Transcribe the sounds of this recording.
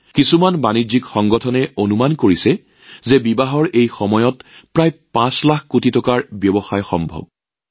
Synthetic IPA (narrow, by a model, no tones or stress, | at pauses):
kisumanbanizikxɔŋɡɔtʰɔnɛonumankoɹisɛ | zɛbibaɦɔɹʔejxɔmɔjɔtpɹajpãslaxkutitɔkaɹbjɔbɔxajxɔ̰mbʱɔ̰b̚